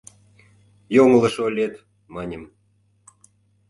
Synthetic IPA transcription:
joŋə̆lə̆ʃolʲet̪ | mɑnʲəm

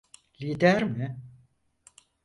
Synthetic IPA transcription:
liːd̪æɾmɪ

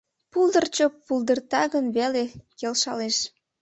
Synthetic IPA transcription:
puld̪ərt͡ɕould̪ərt̪ɑɣənβelekelʃɑleʃ

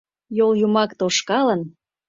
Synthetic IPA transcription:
joljumɑkt̪oʃkɑlən

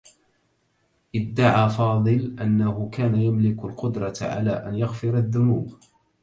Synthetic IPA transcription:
ʔɪd̪ːaʕaːfɑːd̪ˤɨlʔanːahʊkaːnajamlɪkʊlqʊd̪ɾˤɑʕa̰laːʔanjaɣfɪɾaðːʊnuːb

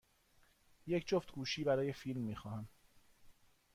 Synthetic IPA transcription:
jecʰd͡ʒoft̪ɡuːʃiːbæɾɒːje̞fiːlmːiːxɒːhæm

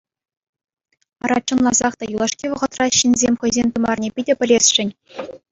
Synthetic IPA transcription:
ɑɾɑ̰t͡ɕːɤ̆nlˠɑzɑχt̪ɑjulˠɑʂkʲiʋɤ̆ʁɤ̆t̪rɑɕinʲzʲemʲχɤ̆jzʲemʲt̪ɤ̆mɑrnʲepʲidʲɘ̆pʲɘ̆lʲesʲʂɘ̆nʲ

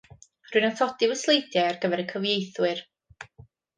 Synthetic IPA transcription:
rʊɨnanθɔdɪvəslˠejdjaarɡəvɛɾəkʰəvjejθwɨr

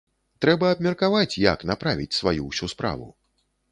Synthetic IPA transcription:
t̪ɾɛbɐːbmʲɐrkavat͡sʲja̰kn̪apɾavʲit͡sʲsvajuwsʲuspɾa̰vṵ

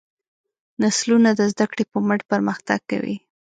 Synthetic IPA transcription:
naslunad̪əzd̪akɽepəməʈpəɾməxt̪a̰ɡ̚ka̰wḭ

